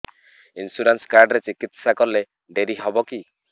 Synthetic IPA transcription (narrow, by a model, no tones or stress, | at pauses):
insuɾanskaɾɖɾet͡ʃikit̪sakɔɾle | ɖeɾiɦɔbɔki